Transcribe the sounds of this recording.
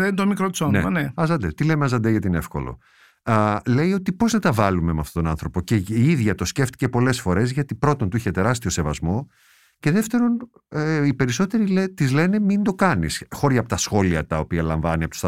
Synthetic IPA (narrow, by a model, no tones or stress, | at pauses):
ent̪omikɾot̪sonnḛneɐzɐnd̪et̪ilemeɐzɐnd̪eʝɐt̪inefko̞̰lo̞̰ | le̞io̞t̪ipo̞znɐt̪ɐvɐlumemeɐft̪o̞t̪onɐnθɾo̞po̞ceiiðʝɐt̪o̞sce̞ft̪i̥ce̞po̞le̞sfo̞ɾe̞zʝɐt̪ipɾo̞t̪ont̪uiçe̞t̪e̞ɾɐst̪io̞se̞vɐzmo̞ | ce̞ðeft̪e̞ɾo̞n | ipe̞ɾiso̞t̪e̞ɾilet̪izle̞ne̞mind̪o̞kɐnisxo̞ɾʝɐːpo̥t̪ɐsxo̞liɐt̪ɐo̞piɐlɐɱvɐniɐpou̥s